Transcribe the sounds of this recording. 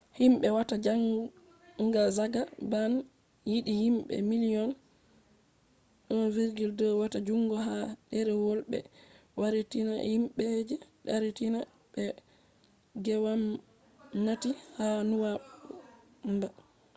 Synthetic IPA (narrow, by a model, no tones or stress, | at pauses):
himɓɛwatad͡ʒaŋ | ŋɡazaɡaban | jiɗihimɓɛ̰miliɔn | ɗɔviɾɡildɔwatad͡ʒuŋɡɔɦaɗɛɾɛwolɓɛ̰ | waɾetina̰himɓɛd͡ʒɛɗaɾetina | ɓɛ | ɡɛwam | natihanuwa | mba